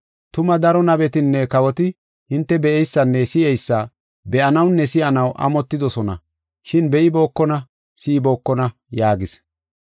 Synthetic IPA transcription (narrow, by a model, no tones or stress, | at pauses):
t̪ʊmɐd̪ɐɾɔnɐbɛt̪ɪnːɛkɐwɔt̪ɪ | hɪnt̪ːɛbɛʔɛjsːɐnːɛsɪʔɛjsːɐ | bɛʔɐnɐwnːɛsɪʔɐnɐwʔɐ̰mɔt̪ːɪd̪ɔsɔnɐ̰ | ʃɪnbɛʔɪbo̞ːkːɔnɐ | sɪbo̞ːkːɔnɐ | jaːɡɪs